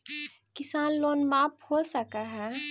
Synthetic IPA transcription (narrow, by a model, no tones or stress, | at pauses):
kɪsaːnloːnmaːphoːsɐkaɦɛː